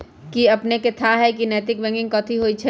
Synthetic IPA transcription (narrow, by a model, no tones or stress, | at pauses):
kiɐpneket̪ʰaɦɛkinɛːt̪ɪk̚bɛ̃ŋɡɪ̃ŋɡkɔ̃ːt̪ʰiɦoːit͡ʃʰ